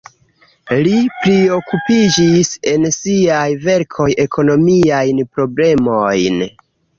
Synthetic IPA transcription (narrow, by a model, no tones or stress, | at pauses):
lipɾio̞kupid͡ʒise̞nsiajve̞ɾkʰo̞je̞kʰo̞no̞miajnpɾo̞ble̞mo̞jn